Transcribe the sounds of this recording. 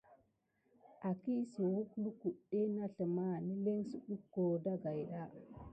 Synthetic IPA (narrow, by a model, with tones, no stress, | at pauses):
ʔa˨ki˦su˨wu˦klu˦ku˨ɗe˦na˦ɬə˨ma˦˨ni˦le˦ŋsi˨ɗu˦kːo˨da˦ɡa˨jɗa˦